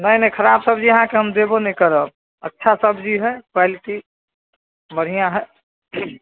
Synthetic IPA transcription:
nəinəkʰəɾabsəbd͡ʒiəɦãkeɦəmd̪ebonikəɾəb̚ | ətːʃʰasəbd͡ʒiɦɛkwaliʈi | məɾijãɦɛ

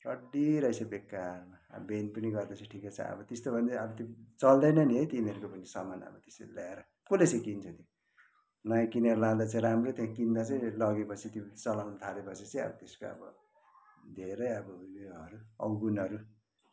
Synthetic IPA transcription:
rʌɖiɾʌjsʌbekːarma̰benpʌniɡʌrd̪at͡sʰʌ̃ʈʰikat͡sʰʌ̰̃ʌ̰bʌt̪est̪obʱʌnd̪eʌbʌt̪it͡sʌld̪ʌjnʌniɦʌjt̪iniʌɾukopʌnisʌmanʌ̰bʌt̪e̥sḛlaeɾʌ | kulet͡sʌ̃kint͡sʰʌt̪jo | nʌjãkiniʌɾulad̪at͡sʌjɾamrot̪jãkind̪at͡sʌj̃lʌɡepʌt͡sʰit̪it͡sʌlamnt̪ʰalepʌt͡sʰit͡sʌ̃j̃ʌ̰bʌt̪eskoʌ̰bʌ̰ | d̪ʱeɾʌjʌbʌieʌɾuʌwɡunʌɾu

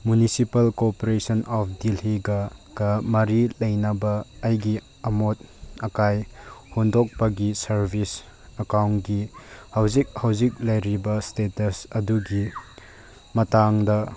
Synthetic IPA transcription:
munisipɐlkopoɾesɐnɔp̚ʰdilhiɡaɡ̥ɐmɐɾilɐjnɐbɐːjɡi | ɐmot̚ɐkajhondɔk̚pɐɡisɐɾbʱis | ɐkawntɡihɐwzik̚hɐwzik̚lɐjɾibɐstetɐsɐduɡi | mɐtaŋdɐ

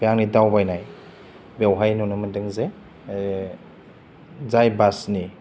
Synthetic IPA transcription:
bejaŋnidawbajnaj | bewɦajnunɯmɯndɯŋze | zajbasni

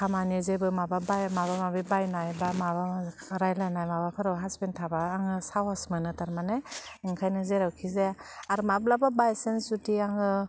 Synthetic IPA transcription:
kʰamanizebɯmababajmaβamabibajnajbamaβa | ɾajlajnajmabapʰɯɾawɦaspentʰabaːŋɯsawasmɯnɯtaɾmaneɯŋkʰajnɯzeɾawkʰizeaɾmab̚lababajsensutiaŋɯ

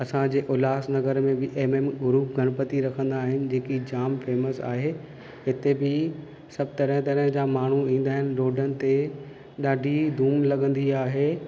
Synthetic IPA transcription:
ɐsãd͡ʑeːʔʊlaːsnɐɡəɾmẽbɪʔeːmemɡʊɾuːɡʱɐɽ̃pət̪iɾɐkʰə̃n̆d̪aːɦɪnɪ̆d͡ʑeːkid͡ʑaːmfeːməsa̰ːɦe | ɦɪt̪ebɪ | sɐb̚t̪ɐɾə̃ɦt̪ɐɾəɦd͡ʑamaːɳ̤uĩːn̆d̪aːɦɪnɪ̆ɾoːɖənɪ̆t̪e | ɗaːɖʱid̪ʱuːmlɐɠə̃nd̪iaːɦeː

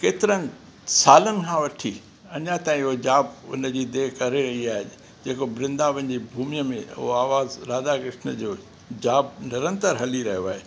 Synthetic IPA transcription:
keːt̪ɪɾənɪ̆ | saːlənɪ̆kʰãːʋɐʈʰi | ɐɲãt̪ãːĩʊɦod͡ʑaːbʊ̰nəd͡ʑiːd̪eːkɐɾeɾɐɦiaːɦe | d͡ʑeːkobɾɪ̃nd̪aʋɐ̃ɪɲd͡ʑibʱuːmijəmẽʊ̰ɦoaːʋaːzɾaːd̪akɾɪʃnəd͡ʑoː | d͡ʑaːb̚nɪɾə̃nt̪əɾɦɐliɾɐɦijoaːɦeː

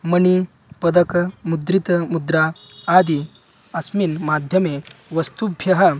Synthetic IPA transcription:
məni | pəd̪əkmud̪ɾit̪mud̪ɾa | ad̪i | ɐsminmad̪ʱjəmeʋɐst̪ubʱjɐɦɐ

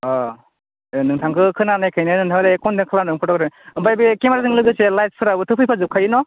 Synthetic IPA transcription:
ɔ | enɯŋtʰaŋkʰɯkʰɯnanajkʰajnanɯŋtʰaŋɾajkʰɔndɯŋkʰɯlanɯŋkʰɔtɔkɾabajbikemaɾazɯŋlɯɡɯselajt̚spʰɯɾabɯtʰɯpʰɯjpʰazɯp̚kʰajɯnɔ

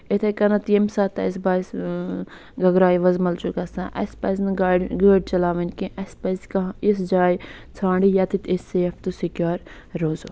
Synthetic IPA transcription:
et̪ʰekɐnɐt̪jemsaːt̪ɐ̰s̬baːs | ɡɐɡɾaːjʋɐzmɐlt͡ʃukɐsãːʔɐ̰spɐzʲnɨɡaɖɡəːɖt͡ʃɐlaːʋɐnʲkĩʔɐspɐzkɐis̬d͡ʒaːjt͡sʰãːɳɖijaːt̪it̪esːeːfʰt̪usikjaːɾ | ɾoːzo

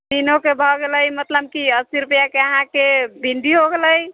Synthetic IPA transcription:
d̪inokebʱɔɡeləjmət̪ləb̚kiəst̪iɾupjakeəɦãkebʱiɳɖiɦoɡeləj

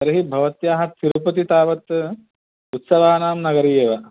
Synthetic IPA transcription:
ɐɾɐɦibʱɐʋɐt̪jaːɦɐt̪ʰiɾupɐt̪it̪aːʋɐt̪ | ut̪sɐʋaːnaːmnɐɡɐɾijeːʋɐ

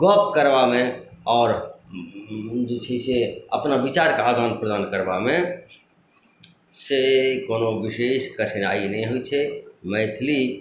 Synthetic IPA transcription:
ɡɔːp̚kəɾʋamẽɔːɾ | d͡ʒt͡ʃʰeseəpnaʋɪt͡ʃaːɾkaaːd̪ʱaːnpɾəd̪aːnkəɾbamẽ | sekoːnoʋɪʃeːʃkəʈʰnaːinəɦĩɦʊit͡ʃʰemɛːt̪ʰli

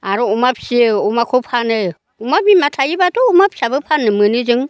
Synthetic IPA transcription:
aɾoumapsieumakʰopʰane | umabimatʰajibatoumapsabɯpʰanɯmɯnid͡ʒiŋ

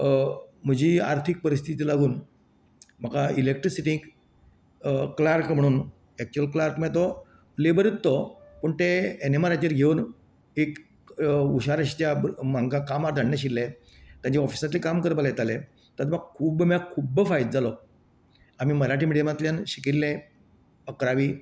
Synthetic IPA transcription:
m̤əd͡ʑiːaɾt̪ʰik̚pəɾist̪ʰit̪iːlaɡuːn | m̤əkailek̚ʈɾisiʈiŋk | klaɾkm̤əɽ̃uːn | ɛk̚t͡ɕuəlklaɾkmɛ̃t̪ɔ | lebəɾit̪ːopəɳt̪eenemaɾat͡ɕeɾɡʱeuːn | ek | uɕaɾəɕt͡ɕjamãŋɡakamaɾd̪ʱaɽnaɕilːẽ | t̪jãɲt͡ɕaɔfi̥sat̪ilikamkəɾbəljet̪ale | t̪ət̪maɡ̚kʰuːbəmakʰubəfajt̪̚d͡zalɔ | am̤iməɾaʈiːmiɽijemat̪ljanɕikiɾlːẽ | əkɾaʋiː

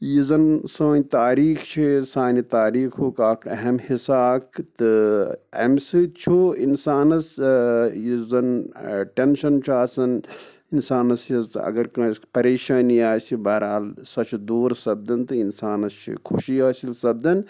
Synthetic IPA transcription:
jizɐnsãːnʲt̪aːɾiːxt͡ʃʰisaːnit̪aːɾiːkʰoːkaːkʰɐɦɐmhisaːkt̪ɨɐ̰msɨt͡ʃʰuinsaːnɐs | jizɐnʈenʃɐnt͡ʃʰaːsɐn | insaːnɐsjizɐ̰ɡɐɾkɐ̃ːspɐɾeːʃãːniaːsibɐːɾaːlsɐt͡ʃʰd̪oːɾsɐb̚d̪ɐnt̪ɨinsaːnɐst͡ʃʰḭkʰuʃiaːsilsɐb̚d̪ɐn

